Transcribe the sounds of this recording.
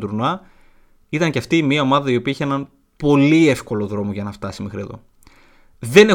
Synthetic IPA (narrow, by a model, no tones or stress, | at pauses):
d̪uɾnɐ | it̪ɐŋceɐft̪iːmiɐo̞mɐðɐio̞piɐiçeenɐn | po̞lie̞fko̞lo̞ðɾo̞moʝɐnɐft̪ɐsimexɾie̞ðo̞̰ | ðe̞ne̞